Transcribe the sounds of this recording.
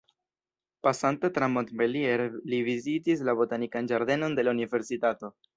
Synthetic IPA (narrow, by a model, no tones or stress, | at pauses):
pasantet̪ɾamont̪belieɾlivizitis̬labo̞tanikand͡ʒaɾd̪e̞no̞nde̞launive̞ɾsitato̞